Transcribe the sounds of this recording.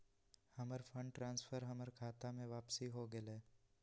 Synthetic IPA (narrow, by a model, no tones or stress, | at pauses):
hɐməɾfʰə̃ɳɖʈɾãːnsfʰəɾɦɐməɾkʰaːt̪amẽʋaːpsiɦoɡəleː